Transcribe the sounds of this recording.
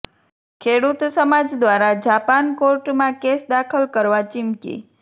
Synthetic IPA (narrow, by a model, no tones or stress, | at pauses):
kʰeɽut̪səmad͡ʒd̪ʋaɾad͡ʒapankoɾʈmãkesd̪akʰəlkəɾʋat͡ʃɪmkḭ